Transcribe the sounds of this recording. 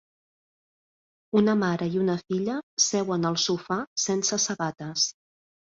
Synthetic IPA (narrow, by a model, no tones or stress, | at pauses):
unəmaɾəiunəfiʎəsɛwənəlˠsufasensəsəβat̪əs